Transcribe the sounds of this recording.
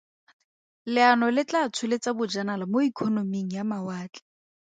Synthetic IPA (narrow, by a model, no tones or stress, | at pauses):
lɪanɔlɪt͡ɬat͡sʰʊlɪt͡sabʊd͡ʒanalamoikʰɔnomiŋ̩jamawaːt͡ɬʼɛ̥